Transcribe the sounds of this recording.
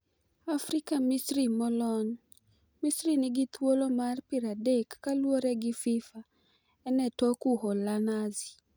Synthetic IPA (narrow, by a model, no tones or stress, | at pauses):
afɾɪkamisɾimɔlɔn | misɾinɪɡit̪wolomarpiɾadekːalwoɾɛɡɪfifa | ɛnɛtokuɦɔlanazi̥